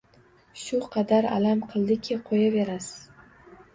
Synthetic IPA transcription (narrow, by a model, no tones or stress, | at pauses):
ʃʊqʰɑd̪aɾa̰lamqʰɨlˠd̪ɪkʲʰɪqʰojaveɾasɪ̥z̥